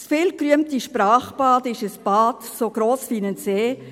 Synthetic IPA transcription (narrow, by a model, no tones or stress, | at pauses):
sfɪlkryəmtiʃpraːχbɑːdɪʃəsb̥ɑːdsoːɡ̥ɾoːsfiːnənseː